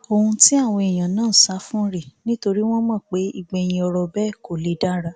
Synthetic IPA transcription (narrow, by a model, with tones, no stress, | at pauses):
o˧hũ˧ti˦a˦˨w̃ɔ̃˧i˨j̃ã˨nãː˦˨sa˨˦fũ˦ɾe˦˨nĩ˦to˧ɾi˦w̃ɔ̃˦mɔ̃˦˨k͡pe˨˦i˦˨ɡ͡be˧j̃ĩ˧ɔ˧ɾɔ˧bɛ˦˨ko˨le˨˦da˦ɾa˧